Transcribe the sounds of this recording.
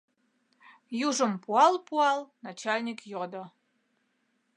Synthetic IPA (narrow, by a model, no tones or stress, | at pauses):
juʒə̆mpuɑlˠpuɑlˠnat͡ɕalʲnʲikjod̪ɤ̆